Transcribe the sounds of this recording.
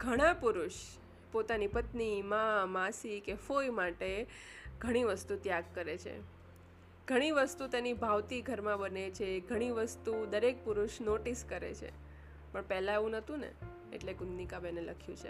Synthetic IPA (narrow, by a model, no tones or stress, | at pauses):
ɡʱəɽ̃ãpuɾʊʃ | pot̪anipət̪nimãmasikefojmaʈe | ɡʱəɽ̃iʋəst̪ut̪jaɡ̚kəɾet͡ʃʰḛ | ɡ̥ʱəɽ̃iʋəst̪ut̪enibʱaʋt̪iɡʱəɾmãbənet͡ʃʰeɡʱəɽ̃iʋəst̪ud̪əɾek̚puɾʊʃnoʈiskəɾḛt͡ʃʰḛ | pəɳpɛɦlãeʋũnət̪ũnḛ | ḛʈlekʊnnikabɛneləkʰjṵ̃t͡ʃʰḛ